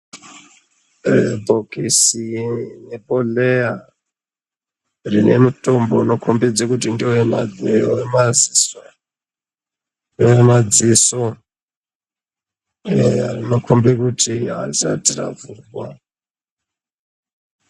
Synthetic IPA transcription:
rebʱokisinepoleja | rine̞muto̞mbono̞kʰombed͡zekut̬indiowemad͡zeoemaziso | ndowemad͡ziso | rino̞kʰombekutiɦa̰za̰tira̰vuɡwa̰

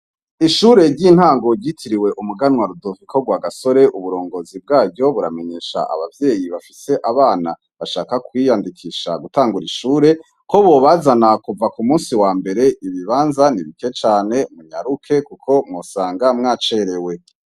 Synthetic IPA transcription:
iʃuɾe̞ɾɟin̥haːŋɡo̞ɟitʰiɾiwe̞ʔumuɡanwaɾudovikʰo̞ɡwaɡaso̞ɾe̞ʔuβuɾo̞ːŋɡo̞zib̚ɡaːɟo̞βuɾa̰me̞ɲe̞ːʃa̰ʔa̰βavje̞ːjiβafise̞ʔaβaːna | βaʃaːkakwijandikʰiʃa̰ɡutaːŋɡuɾiʃuːɾe̞ | ko̞βoβazanakuvakumuːnsiwaːmbe̞ɾe̞iβiβaːnzaniβike̞t͡ʃaːne̞muɲa̰ɾukʰe̞kukʰo̞mŋosaːŋɡamŋaːt͡ʃeɾe̞we̞

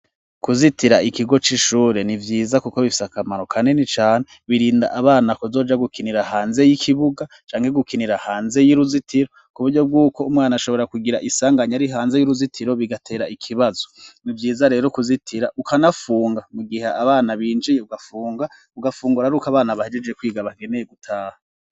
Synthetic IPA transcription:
kuzitiɾaikiɡo̞t͡ʃiʃuːɾe̞nivjiːzakukoβifi̥sakamaɾo̞kʰane̞nit͡ʃaːneβiɾiːnda̰ʔaβaːnakozo̞ːd͡ʒaɡukiniɾahaːnze̞jikʰiβuɡa | t͡ʃaːŋhe̞ɡukiniɾahaːnze̞jiɾuzitʰiɾo̞ | kuβuɾɟo̞b̚ɡuːko̞umŋaːnaaʃo̞βo̞ɾakuɡiɾaʔisaːŋɡaɲaɾiɦaːnze̞juɾuzitʰiɾo̞βiɡatʰe̞ːɾaʔikʰiβazo̞̥nivjiːzaɾe̞ːɾokuzitʰiɾaukʰanafuːŋɡamuɡiheaβaːnaβiːnd͡ʒijeuɡafuːŋɡa | uɡafuːŋɡuɾaɾuːkaβaːnaβahed͡ʒed͡ʒekwiːɡaβaɡe̞nejeɡutʰaːha

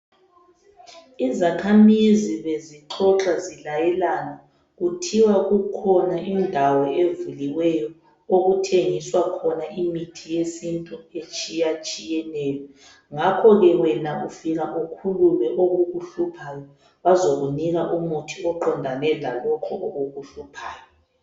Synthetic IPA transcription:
izakʰamiziβeziǁʰɔǁʼazilajɛlanɔ | ɣutʰiwaɣukʰɔnaʔindʱawɔevuliwɛjɔ | oɣutʰeŋiswakʰɔnaʔimitʰijesintʼuet͡ʃʼijat͡ʃʼijɛnɛːlɔ | ŋakʰɔɣɛwɛnaufiɣaʔukʰululɛʔoɣuɣuɬupʰajɔ | βazoɣuniɣaʔumutʰiɔǃɔndʱanɛlalɔkʰɔʔoɣuɣuɬupʰaːjɔ

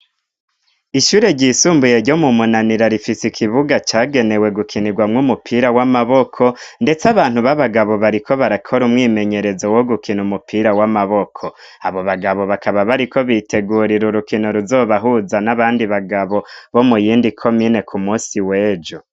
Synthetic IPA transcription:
iʃuːɾe̞ɾɟiːsuːmbuje̞ɾɟo̞mumunaniɾaɾifisikʰiβuɡat͡ʃaːɡe̞ne̞we̞ɡukʰiniɡwamŋumupʰiːɾawamaβokʰo̞nde̞t͡saβaːn̥huβaβaɡaβo̞βaɾikʰo̞βaɾakʰo̞ɾumŋiːme̞ɲe̞ɾe̞zo̞wo̞ɡukʰinumupʰiːɾawamaβo̞kʰo̞ | aβo̞βaɡaβo̞βakaβaβaɾiko̞βiːtʰe̞ɡuːɾiɾuɾukinoɾuzo̞ːβaɦuzanaβaːndiβaɡaβo̞βo̞mujiːndikʰo̞mine̞kʰumuːsiwe̞ːd͡ʒo

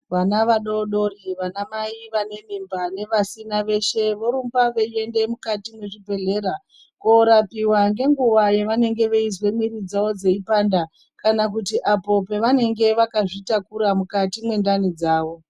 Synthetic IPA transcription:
ʋanaʋaɗoɗoriʋanamaiʋane̞mimbane̞ʋasinaʋe̞ʃe̞ʋo̞ɾumbaʋeie̞nde̞mukatimwe̞ʐibʱe̞ɮe̞ːɾa | koɾapiwaŋɡe̞ŋɡuʋajeʋane̞ŋɡe̞ʋeizwe̞mwiɾid͡zaod͡ze̞ipaːnda | kanakutiʔapo̞peʋane̞ŋɡe̞ʋakaʐitakuɾamukatimwe̞ndanid͡zaːʋo̞

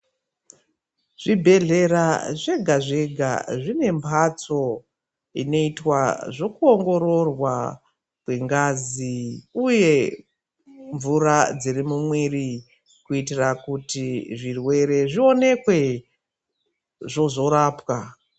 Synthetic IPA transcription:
ʐ̥ibʱe̞ɮe̞ɾaʐe̞ɡʱaʐe̞ɡʱa̰ʐine̞mbʰʱat͡so̞ | ino̞itwaʐo̞kuo̞ŋɡo̞ro̞rwa | kwe̞ŋɡaziuje̞ | ɱvurad͡zirimumwiri | kuitirakutiʐirwe̞ɾe̞ʐio̞ne̞kwe̞ | ʐo̞zo̞ɾaːpwa

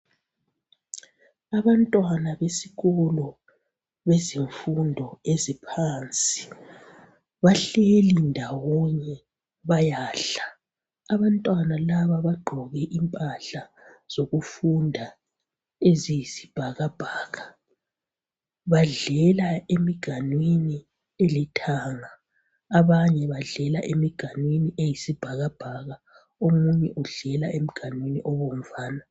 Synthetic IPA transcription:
aβantʼwanaβesiɣɔlɔ | βeziɱfundʱɔezipʰant͡sʼi | βaɬelindʱawɔɲɛ | βajaːɬaː | βantʼwanalaβaβaɡ͡ǃʱɔɣɛʔimpʼaɬa | z̥oɣufundʱa | ezijisi̥b̥ʱaɣab̥ʱaːɣa | βaɮɛlaemiɡ̥ʱanwini | elitʰaŋaː | βaɲɛβaɮɛlaʔemiɡ̥ʱanwiniʔejisib̥ʱaɣab̥ʱaɣa | omuɲɛʔuɮɛlaʔemiɡ̥ʱanwiniʔɔβom̩vaːna

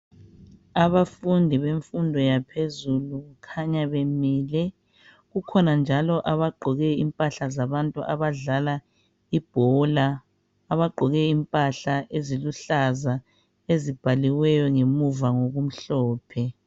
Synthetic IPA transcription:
aβafundʱiβeɱfundʱɔjapʰezuluɣukʰaɲaβemiːlɛ | ɣukʰɔnand͡ʒʱalɔʔaβaɡ͡ǃʱɔɣɛimpʼaɬazaβantʼuʔaβaɮala | ib̥ʱɔlaː | βaɡ͡ǃʱɔɣɛimpʼaɬaʔeziluɬaza | ezib̥ʱaliwɛjɔŋemuvaŋoɣum̩ɬɔːpʰɛ

